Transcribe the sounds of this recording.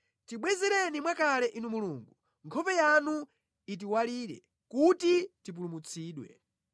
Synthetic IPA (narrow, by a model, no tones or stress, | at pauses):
tiɓwɛzɛɾɛnimwakalɛʔinumuluːŋɡu | ŋkʰɔpɛjanu | it̬iwaliːɾɛ̰ | kutitip̬ulumut͡sʰiːɗwɛ̰